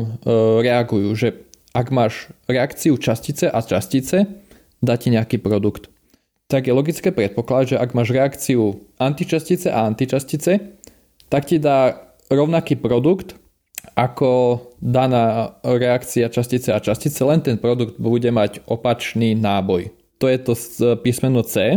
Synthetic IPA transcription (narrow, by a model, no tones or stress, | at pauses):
ɾɛaɡujuːʒɛʔaɡmaːʃɾɛakt͡siut͡ʃascit͡sɛʔat͡ʃascit͡sɛ | d̪aːciɲɛakiːpɾɔd̪ukt̪ | t̪aɡjɛlɔɡit͡skɛːpɾɛt̪̚pɔklad̪ʒɛʔaɡmaːʒɾɛakt͡siuʔant̪it͡ʃascit͡sɛʔaant̪it͡ʃascit͡sɛ | t̪akcid̪aː | ɾɔʊnakiːpɾɔd̪ukt̪ | ʔakɔd̪anaːɾɛakt͡siat͡ʃascit͡sɛat͡ʃascit͡sɛlɛnt̪ɛnpɾɔd̪uɡd̪̚buɟɛmaɟʔɔpat͡ʃniːnaːbɔj | t̪ɔjɛt̪ɔpismɛnɔt͡sɛː